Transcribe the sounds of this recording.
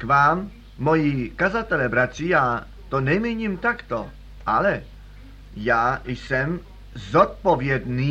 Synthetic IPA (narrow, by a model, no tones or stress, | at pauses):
kvaːmː | ojikazat̪ɛlɛbɾat̪r̝̥iːjaː | t̪onɛjmiɲimt̪akt̪o | ʔalɛ | jaːjsɛm | zot̪̚povjɛd̪niː